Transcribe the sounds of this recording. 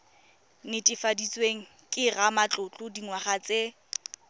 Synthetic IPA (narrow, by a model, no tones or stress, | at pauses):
nɪtʼɪfadit͡sʼweŋ̩ | kʼɪramat͡ɬʼʊt͡ɬʼʊdiŋwaχat͡sʼe